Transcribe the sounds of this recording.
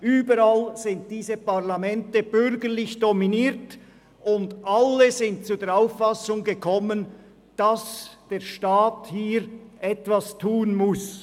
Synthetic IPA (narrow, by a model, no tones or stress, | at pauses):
ʔyːbəɾalz̥ɪnt̚d̥iːzəpaʁlamɛntəb̥ʏɾɡəʁlɪçd̥ɔminiːɾt | ʊndʔalːəzɪnt̚t͡sud̥eːɾaʊfːasʊŋɡəkʰɔmən | d̥ɑsd̥eːɾʃtaːthiːɾʔɛtvastʰuːənmʊs